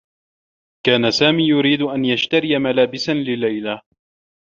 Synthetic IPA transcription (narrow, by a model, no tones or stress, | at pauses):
kaːnasaːmiːjʊɾiːd̪ʊʔanjaʃt̪aɾɪmalaːbɪsanlɪlajla